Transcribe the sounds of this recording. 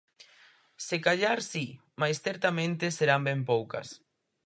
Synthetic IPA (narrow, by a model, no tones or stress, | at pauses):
sekaʎaɾsi | majsθeɾt̪amẽnt̪eseɾambempowkɐ̰s